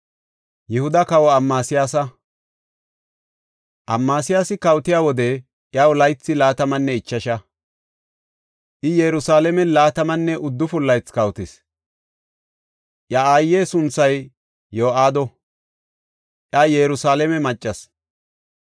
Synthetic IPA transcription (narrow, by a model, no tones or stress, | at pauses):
jɪhʊd̪ɐkɐwɔɐmːaːsɪjaːsɐ | ʔɐmːaːsɪjaːsɪkɐwt̪ɪjaːwɔd̪ɛ | ʔjawʊlɐjt͡sːɪlaːt̪ɐmɐnːɛɪt͡ʃːɐʃɐ | ʔɪjɛɾʊsaːlɛmɛlaːt̪ɐmɐnːɛʔʊd̪ːʊfʊlːɐjt͡skɐwt̪ɪs | ʔjɐaːjːeːsʊnt͡sːɐj | joːaːd̪ɔ | ʔjajɛɾʊsaːlɛmɛmɐt͡ʃʼːɐs